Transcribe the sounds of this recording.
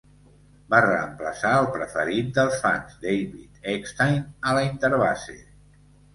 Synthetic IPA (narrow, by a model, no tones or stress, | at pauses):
barəəmpləsaəlˠpɾəfəɾit̪̚d̪əlˠsfa̰nzd̪ejβit̪ekst̪ajnələint̪əɾβa̰sḛ